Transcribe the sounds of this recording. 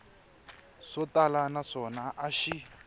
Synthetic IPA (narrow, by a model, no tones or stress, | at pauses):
sɔtalanaʂɔnaʔaʃi